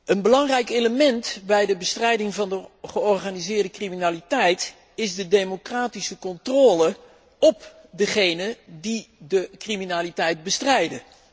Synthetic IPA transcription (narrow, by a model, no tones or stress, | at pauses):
ənbəlɑŋrɛjkeləmɛntbɛjdəbəstrɛjdɪŋvɑndəχəɔɹχaːnizɪːɹdəkriminaːlitɛjt | ɪzdədejmokraːtisəkɔntroːlə | ɔp | dəχejnədidəkriminaːlitɛjt̚bəstrɛjdə